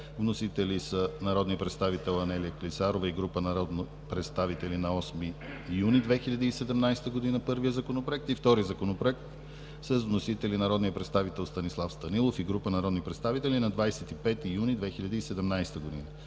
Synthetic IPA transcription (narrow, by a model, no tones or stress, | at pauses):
vnosit̪ɛlisənɐɾɔd̪niəpɾɛt̪st̪avit̪ɛlˠɐnɛlijəklit̪saɾovəiɡɾupənɐɾɔd̪no | pɾɛt̪st̪avit̪ɛlinɐɔsmi | junid̪vɛxilʎʲɐd̪iːsɛd̪ɛmnajst̪əɡod̪inəpɤɾvijəzɐkonopɾoɛk̚t̪ift̪ɔɾizɐkonopɾoɛk̚t̪ | səzvnosit̪ɛlinɐɾɔd̪nijəpɾɛt̪st̪avit̪ɛlˠst̪ɐnislˠafst̪ɐnilˠofiɡɾupənɐɾɔd̪nipɾɛt̪st̪avit̪ɛlinɐd̪vajsɛt̪ipɛt̪ijunid̪vɛxilʲɐd̪əisɛd̪ɛmnajst̪əɡod̪ḭnə